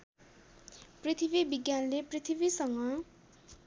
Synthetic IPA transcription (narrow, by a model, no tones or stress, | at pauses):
prit̪ʰibibiɡjanleprit̪ʰibisʌŋmʌ